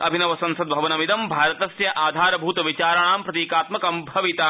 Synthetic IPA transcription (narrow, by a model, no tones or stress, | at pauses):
ɐ̰bʱinɐʋɐsɐ̃nsɐd̪̚bʱɐʋɐnɐmid̪ɐmbʱaːɾɐt̪ɐsjɐʔaːd̪ʱaːɾɐbʱuːt̪ɐʋit͡ʃaːɾɐɳaːmpɾɐt̪iːkaːt̪mɐkɐmbʱɐʋit̪a